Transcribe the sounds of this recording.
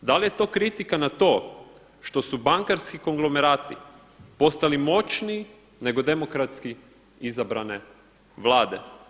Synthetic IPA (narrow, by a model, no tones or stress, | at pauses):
d̪alije̞t̪o̞ːkɾit̪ikanat̪o̞ː | ʃt̪o̞subaŋkaɾskiko̞ŋɡlˠo̞meɾaːt̪i | po̞st̪alimo̞t͡ʃniː | ne̞ɡo̞d̪e̞mo̞kɾat̪ski | izabɾane̞ | ʋlˠaːd̪e̞̰